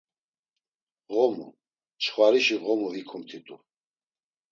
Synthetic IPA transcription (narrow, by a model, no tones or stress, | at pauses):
ʁɔmṵ | t͡ʃχwaɾiʃiʁɔmuvikʰumt̪ʰit̪ʼu